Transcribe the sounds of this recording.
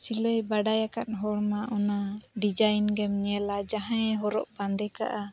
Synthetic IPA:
siləjbaɖajakat̪̚ɦɔɽmaʔɔnaɖid͡ʒajnɡɛmɲɛlad͡ʒaɦãɛɦɔɾɔʔband̪ɛka̰ʔa

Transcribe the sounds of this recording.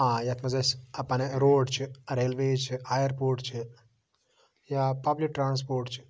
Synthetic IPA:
aːjɐt̪mɐzɐsɐpɐneɾoːɖt͡ʃʰiɾeːlʋeːt͡ʃɨajɐɾpoːɾʈt͡ʃʰɨ | jaːpɐblik̚ʈːɾaːns̬poːɾʈt͡ʃʰi̥

